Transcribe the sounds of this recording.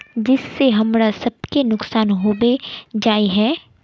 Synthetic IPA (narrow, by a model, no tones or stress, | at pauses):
d͡ʒɪsːeɦɐmɾasɐb̚kenʊksaːnɦoːbed͡ʒaːiɦɛː